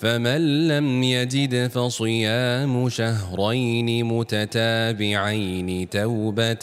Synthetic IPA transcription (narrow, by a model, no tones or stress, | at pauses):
famanlːamjazɪd̪fɑsˤɨjaːmʊʃaɦɾˤɑjnɪmʊt̪at̪aːbɪʕajnɪt̪awba